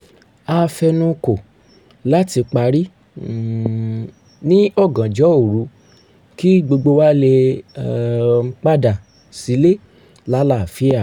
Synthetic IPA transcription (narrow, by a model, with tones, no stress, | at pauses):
a˧fɛ˧nũ˦ko˨ | la˦ti˧k͡pa˧ɾi˦ | nĩ˦ɔ˦˨ɡã˨d͡ʒɔ˨˦o˨ɾu˨˦ | ki˦ɡ͡bo˧ɡ͡bo˧wa˦le˧˨˧ | k͡pa˦da˨ | si˨˦le˦ | la˨˦la˦˨fi˨˦a˦˨